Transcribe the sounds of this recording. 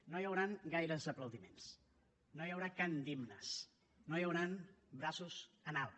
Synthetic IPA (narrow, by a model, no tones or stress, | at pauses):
nojəwɾaŋɡajɾəzəpləwðimens | nojəwɾakand̪imnəs | nojəwɾanbɾasuzənalˠ